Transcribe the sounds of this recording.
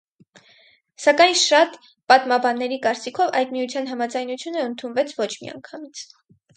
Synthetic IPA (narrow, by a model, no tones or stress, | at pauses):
sɑkɑjnʃɑt̪ | pɑt̪mɑbɑnːɛɾikɑɾt͡sikʰɔvɑjd̪miut͡sʰjɑn̪ɦɑmɑd͡zɑjnut͡sʰjunəənt̪ʰunvɛt͡sʰvɔt͡ʃʰmḭɑ̰ŋkʰɑmit͡sʰ